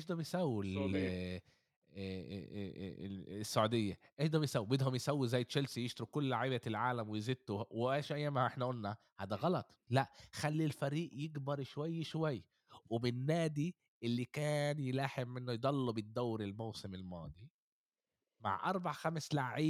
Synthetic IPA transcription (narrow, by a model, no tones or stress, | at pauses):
eːʃd̪æːbejsæwːel | sːaʕud̪ejːæ | ʔeːʃd̪æːbjsæwibjed̪homjesæwːizæːjːet̪ʃælsijeʃt̪ɾukolːaʕiːbælʕaːlæmwejzed̪̚t̪ːowʔæːʃʔæjːæːmhæʔeħnæʔolːæ | hæːd̪æɣɑlɑt̪ˤlæʔxælːilfæɾiːʔjeɡbɑɾˤʃowæjːʃowæjː | wemɪnːæːd̪i | ʔelːikæːnjelaːħemʔɪnːojed̪ˤɑlːɑbed̪ːæwɾelmowsemelmɑːd̪ˤi | ma̰ʕʔɑ̰ɾˤbaʕxæmslaʕʕiː